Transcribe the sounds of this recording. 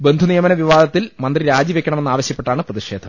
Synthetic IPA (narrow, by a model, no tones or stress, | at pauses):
be̞nd̪ʱunijɐmɐnɐʋiʋaːd̪ɐt̪ːilmɐnd̪riɾaːd͡ʑiʋekʲːɐɳɐme̞nːaːʋɐɕjɐpːeʈːaːɳɨprɐðiʂeːd̪ʱɐmm